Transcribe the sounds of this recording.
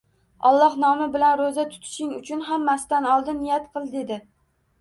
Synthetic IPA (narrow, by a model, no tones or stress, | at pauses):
ɒlˠːɒhnɒmɪbɪlanɾozat̪ʰʊ̥t̪ʰɪ̥ʃɪŋʊt͡ʃʰʊnɦamːasɪ̥t̪anɒlˠd̪ɪnːɪjat̪qʰɨlˠd̪ɪed̪ɪ